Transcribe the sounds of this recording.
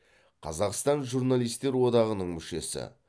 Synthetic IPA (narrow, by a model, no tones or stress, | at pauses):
qʰɑ̰zɑqst̪ɑnʒurnalˠijst̪e̞ɾwo̞d̪ɑʁənəɴmʏʃe̞sɪ̰